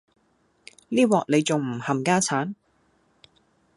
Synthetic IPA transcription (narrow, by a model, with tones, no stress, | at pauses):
liː˥wɔː˨k̚le˨˧jt͡sʊ˨ŋm̩˨˩hɐ˨mkaː˥t͡sʰaː˨˥n